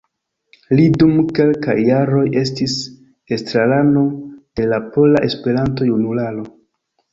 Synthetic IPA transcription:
lidumke̞lka̰jːaɾo̞je̞stis | estɾalano̞de̞lapo̞laʔe̞spe̞ɾanto̞junulalo̞

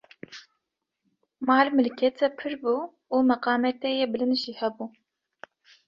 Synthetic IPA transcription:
mɑːlmɨlkʰɛt̪ʰɛpʰɨɾbuː | uːmɐqɑːmɛt̪ɛjebɨlɨnʒiːhɛbuː

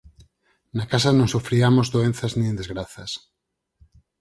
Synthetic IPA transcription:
nakasanõŋsufɾiamozðoen̟θaznĩẽnd̪ezɣɾaθas

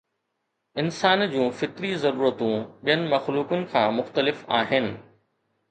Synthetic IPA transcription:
ɪnsaːnd͡ʑũːfɪt̪ɾizɐɾuːɾət̪ũɓijənɪ̆mɐxluːkʊnɪ̆kʰãːmʊxt̪əlɪfaːɦɪnɪ̆

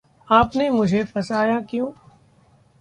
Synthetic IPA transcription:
aːpnemʊd͡ʒʱepɐsaːjakjõː

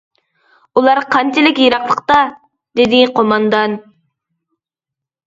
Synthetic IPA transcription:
ulˠɑɾqʰɑnt͡ʃʰilɪkʲjeɾɑqlˠəqt̪ɑ | d̪ɪd̪ɪqʰomɑnd̪ɑn

